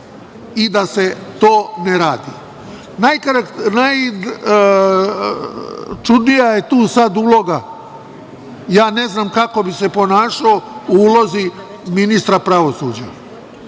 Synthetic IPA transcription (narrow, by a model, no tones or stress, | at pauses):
id̪aset̪o̞ːneɾaːd̪i | najkɾanaj | t͡ʃud̪nijaje̞t̪uːsad̪uːlˠo̞ɡa | jaːne̞znaːmkako̞bise̞po̞naːʃaouuːlo̞zi | minist̪ɾapɾaʋo̞suːd͡ʑa̰